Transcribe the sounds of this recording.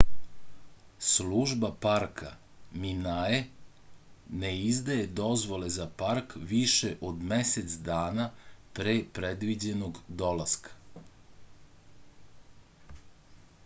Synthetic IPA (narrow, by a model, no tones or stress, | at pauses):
sluʒbapaɾkʰa | minae | neizd̪aje̞d̪o̞zʋo̞le̞zapaɾkʋiʃeʔo̞d̪meset̪sd̪aːnapɾeːpɾed̪ʋid͡ʑe̞noɡd̪o̞lˠaskḁ